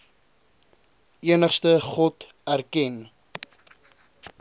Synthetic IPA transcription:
iənəχstəχɔt | ærkɛn

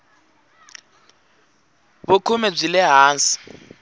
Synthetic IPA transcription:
bukʰumɛb͡ʐilɛɦaːnsi̥

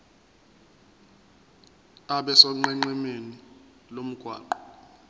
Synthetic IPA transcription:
aɓɛsɔŋ͡ǃɛŋ͡ǃɛmeni | lom̩ɡ̥ʱwa̰ːǃɔ̥

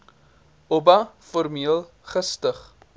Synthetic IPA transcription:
obɐfɔrmiəlˠ | χəstəχ

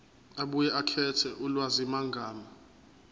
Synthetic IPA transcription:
aɓujɛʔakʰɛtʰɛʔulwazimaŋɡʱaːma

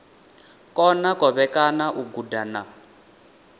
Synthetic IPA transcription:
kʼɔnakʼɔβɛkanaʔuɡudana

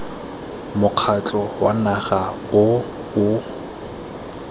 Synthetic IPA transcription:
mʊq͡χʰat͡ɬʼɔwanaχa | ʊ | ʊ

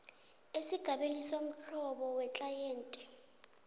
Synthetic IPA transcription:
esiɡ̥ʱaɓenisom̩t͡ɬʰɔɓɔwɛt͡ɬʼajeːntʼɛ

